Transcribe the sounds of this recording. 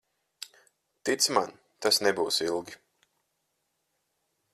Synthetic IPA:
t̪it̪sman | t̪asnɛbuːsilˠɡʲi

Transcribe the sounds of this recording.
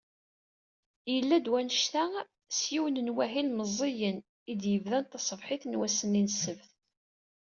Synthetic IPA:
jəlːæd̪wænəʃθæ | sjiwənənwæɦilməzˤːijən | id̪jəvðænt̪ɑsˤːəvħɪθnwæsəninəsːəvθ

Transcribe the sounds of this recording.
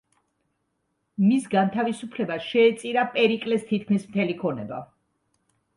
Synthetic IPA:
misɡant̪ʰavisupʰlɛbaʃɛːt̪sʼiɾapʼɛɾikʼlɛst̪ʰit̪̚ʰkʰmismt̪ʰɛlikʰɔnɛba̰

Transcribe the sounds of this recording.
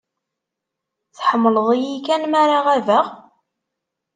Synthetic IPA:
θħəmːələðˤijikænmaɾaʁævəʁ

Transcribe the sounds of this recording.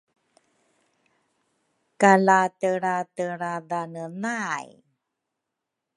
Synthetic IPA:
kalatəɾatəɾadanənaj

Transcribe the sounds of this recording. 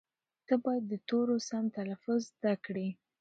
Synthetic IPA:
t̪əbɑjad̪ːət̪oɾosamt̪alafʊzːd̪akɽi

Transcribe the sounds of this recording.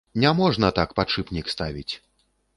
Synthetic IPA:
nʲamɔʐnɐt̪akpat͡ʂɨpnʲikst̪avʲḭt͡sʲ

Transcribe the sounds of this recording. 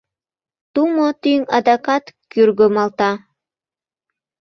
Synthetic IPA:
t̪umot̪yŋɑ̰d̪ɑkɑt̪kyrɡømɑlt̪ɑ

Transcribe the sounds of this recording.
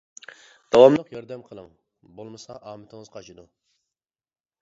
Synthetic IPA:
d̪̥ɑwɑmlˠəqjɑɾd̪ɛmqʰəlˠəŋ | bolˠmɨsɑʔɑːmɪt̪ʰɪŋəzqʰɑt͡ʃʰid̪u

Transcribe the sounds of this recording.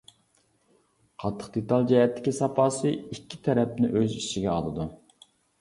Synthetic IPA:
qʰɑt̪ʰːə̥qd̪et̪ɑlˠd͡ʒɛɦɛt̪ʰːɪ̥kʲisɑpɑːsɨikʲʰːit̪ʰɛɾɛp̚nɪʔøziʃiɡʲɛɑ̰lˠɨd̪u

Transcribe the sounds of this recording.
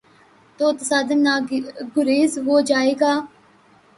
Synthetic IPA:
t̪oːt̪əsaːd̪ənːaːɡʊɾeːzɦoːd͡ʒaːeːɡaː

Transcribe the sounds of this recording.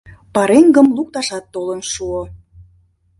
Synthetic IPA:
pɑɾeŋɡə̆mluk̚t̪ɑʃɑt̪ːolənʃuo

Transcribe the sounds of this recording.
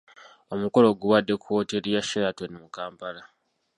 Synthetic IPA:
o̞muko̞lo̞ɡuβadːe̞kuwo̞ːteɾijaʃeɾatonimukaːmpala

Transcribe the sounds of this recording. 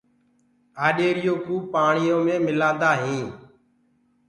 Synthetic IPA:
aːɗeːɾɪjõːkũːpaːɳɪjõːmẽːmɪlaːd̪aːɦĩː

